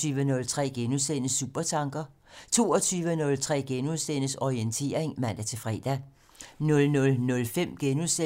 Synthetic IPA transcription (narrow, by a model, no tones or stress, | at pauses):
yːʋənɔ̽lt͡sʰʁɛ̰ːɡ̥enusenəsːṵb̥ɐt͡sʰɑ̈ŋɡ̥ɐ | t͡sʰo̝̰ːɒt͡sʰyːʋənɔ̽lt͡sʰʁɛ̰ːɡ̥enusenəsɒient͡sʰe̝̰ːɐ̰eŋmæn̰d̥æt͡sʰe̝fʁɛ̰ːd̥æ | nɔ̽lnɔ̽lnɔ̽lfem̰ɡ̥enuse